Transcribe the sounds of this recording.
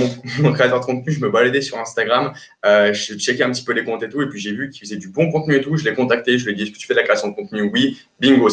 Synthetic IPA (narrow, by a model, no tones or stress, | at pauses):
mɔ̃kχeat̪œʁd̪əkɔ̃t̪̚nyʒəməbalad̪ɛsyʁɛ̃st̪aɡʁam | øʒət͡ʃɛkɛɛ̃pət̪i̥pølekɔ̃t̪et̪uepɥiʒevykʲifəzɛd̪ybɔ̃kɔ̃t̪nyet̪uʒəlɛkɔ̃t̪ak̚t̪eʒəed̪iʁskət̪y̥fɛd̪lakχeasjɔ̃d̪əkɔ̃t̪nywi | biŋɡo